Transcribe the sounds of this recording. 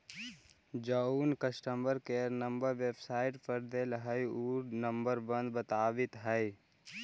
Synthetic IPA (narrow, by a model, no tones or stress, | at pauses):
d͡ʒəuːnkəsʈəmbəɾkeːɾnəmbəɾʋebsaːɪʈpəɾd̪eːlɦəjuːɾnəmbəɾbə̃nd̪bət̪aːʋɪt̪ɦəj